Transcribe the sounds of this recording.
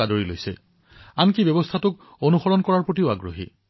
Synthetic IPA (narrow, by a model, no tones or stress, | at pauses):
adoɹilo̰jsɛ̰ | ankibɛbɔstʰatʊk | onuxɔɹɔnkɔɹaɹpɹotiʊaɡɹo̰ɦḭ